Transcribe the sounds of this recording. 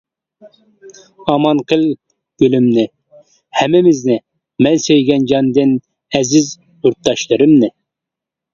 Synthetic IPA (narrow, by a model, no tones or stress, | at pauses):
ɑmɑnqʰəlˠ | ɡ̥ʲylymnɪ | hɛmːɪmɪznɪ | mɛnsejɡʲɛnd͡ʒɑnd̪ɨn | ɛzɪz | juɾt̪̚ːɑʃlˠɨɾɨmnɨ